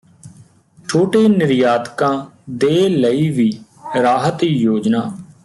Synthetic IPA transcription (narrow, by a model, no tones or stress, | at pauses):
t͡ʃʰoːʈeːnɪɾjaːd̪kãːd̪eːləiːʋiː | ɾaːɦət̪iːjoːd͡ʒnaː